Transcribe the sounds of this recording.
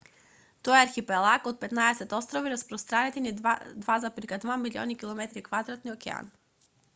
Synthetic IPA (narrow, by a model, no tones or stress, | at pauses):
t̪ɔɛaɾxipɛlˠakot̪̚pɛt̪naɛsɛt̪ɔst̪ɾoviɾaspɾost̪ɾanɛt̪inid̪vazapɾikad̪vamilʲiɔ̰nikilˠomɛt̪ɾikvad̪ɾat̪niokɛ̰a̰n